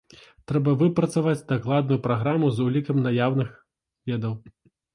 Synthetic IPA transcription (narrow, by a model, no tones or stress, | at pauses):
t̪ɾɛbɐvɨpɾɐt̪savad͡zʲd̪aklˠad̪̚nujupɾaɣɾamuzulʲikɐmnajawnɨx | vʲɛd̪ɐw